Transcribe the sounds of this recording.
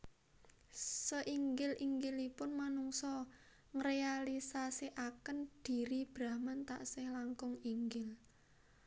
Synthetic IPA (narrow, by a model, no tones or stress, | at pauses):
səʔiŋɡɪlʔiŋɡɪlipʊnmanuŋsɔ | ŋrealisasiʔakənd̪̥i̤ɾib̥ɾahmant̪a̰ʔsɪhlaŋkʊŋiŋɡɪl